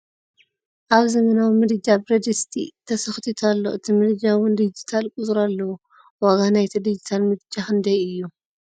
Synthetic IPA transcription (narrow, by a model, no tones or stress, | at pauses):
ʔaβzɐmɐnawimɨd̪ɨd͡ʒabɾɐd̪ɨst̪ʰḭt̪ʰɐsɐxt̪ʰit̪ʰalːo̰ʔɨt̪ʰimɨd̪ɨd͡ʒawɨnd̪ɨd͡ʒit̪ʰalkʼʊzʼuɾalːɐwu | waɡanajt̪ʰɐd̪ɨd͡ʒit̪ʰalmɨd̪ɨd͡ʒaxɨnd̪ɐjɨjːu